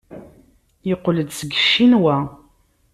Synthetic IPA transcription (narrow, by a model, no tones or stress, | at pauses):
jəqːləd̪səɡəʃːinwæ